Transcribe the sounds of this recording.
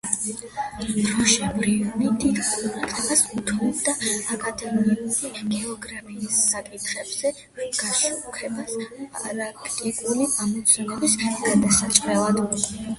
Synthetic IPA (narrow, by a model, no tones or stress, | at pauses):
d̪ɾɔʃɛbɾiunid̪it̪ʼasut̪ʰɔd̪aakʼad̪ɛmiuɾiɡɛɔɡɾapʰiːsːakʼit̪ʰχɛbz̥ɛ | ɾɔmɡ̥aʃukʰɛbasaɾakʰt̪ʼikʼuliʔamɔt̪sʰɛnɔbisɡ̥ad̪asat̪t͡ʃ̪ʼqʼɾɛlˠad̪i